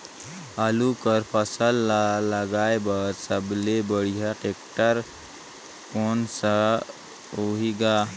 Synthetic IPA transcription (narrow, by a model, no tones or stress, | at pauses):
aːlukəɾpʰəsəlləɡaːebəɾsəblebəɽijaʈeːkʈəɾ | koːnsa | oɦiɡaː